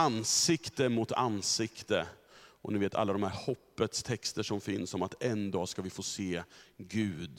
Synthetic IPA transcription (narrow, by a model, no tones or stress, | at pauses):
ansɪkt̪əmʊt̪ʰa̰nːsɪkt̪əʔɔ̰nɪveːt̪ʰa̰lːad̪ɔmhæːɾhɔpːət̪st̪ʰɛkst̪əʂɔmfɪnsɔmat̪ɛnd̪ɑːskavɪfoːseːɡʉ̟ːd̪